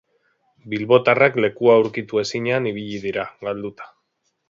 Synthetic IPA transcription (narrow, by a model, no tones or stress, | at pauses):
bilβo̞t̪arakle̞kuawɾkit̪ue̞siɲeaniβ̞iʎiðiɾaɡald̪ut̪ḁ